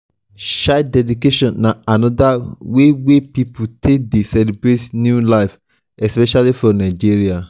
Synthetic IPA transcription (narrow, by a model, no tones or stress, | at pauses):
ʃadɛdikeʃɔ̃nːãanɔ̃dawewepipʰutʰek̚desɛlibɾetnjulaɪf | ɛspɛʃalifɹɔ̃nãɪd͡ʒiɹia